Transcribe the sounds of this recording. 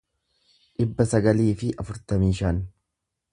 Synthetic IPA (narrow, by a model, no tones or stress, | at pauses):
ᶑɪbːɐsɐɡɐliːfɪʔɐfʊɾt̪ɐmiːʃan